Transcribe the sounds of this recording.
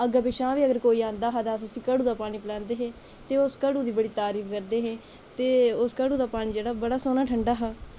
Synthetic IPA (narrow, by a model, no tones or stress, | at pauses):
əɡaːbɪʃãːʋiːəɡəɾkoːiːãːnd̪aːɦad̪aːsʊsĩːkəɽuːd̪aːpaːñĩːpəlãːnd̪eːɦeː | t̪eːʊskəɽuːd̪iːbəɽiːt̪aːɾiːfʰkəɾd̪eːɦẽː | t̪eːʊskəɽuːd̪aːpaːñiːd͡ʒeːɽaːbəɽaːsoːnaːʈʰəɳɖaːɦaː